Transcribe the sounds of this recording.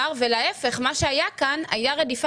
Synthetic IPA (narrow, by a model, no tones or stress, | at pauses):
ʁvelaefe̞χmaʃeajakana̰jaʁedif